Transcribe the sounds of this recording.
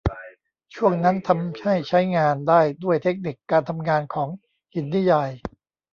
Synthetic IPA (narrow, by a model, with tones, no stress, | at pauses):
t͡ɕʰu˥˩əŋna˦˥nt̪ʰa˧mha˥˩jt͡ɕʰa˦˥jŋaː˧ndaː˥˩jdu˥˩əjt̪ʰe˦˥k̚ni˨˩kːaː˧nt̪ʰa˧mŋaː˧nkʰɔː˩˦ŋ | hi˩˦nːi˦˥jaː˧j